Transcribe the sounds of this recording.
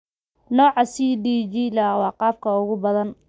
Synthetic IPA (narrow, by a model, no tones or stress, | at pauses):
nɔːʕɑsiːdiːd͡ʒilɐwɑːqɑːb̚kʰɐʊɣʊbɐðɐn